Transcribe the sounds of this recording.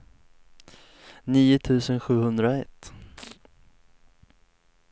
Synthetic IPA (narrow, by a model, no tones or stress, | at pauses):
niːʊt̪ʰʉ̟ːsənɧʉ̟ːhɵnd̪ɾaɛt̪ː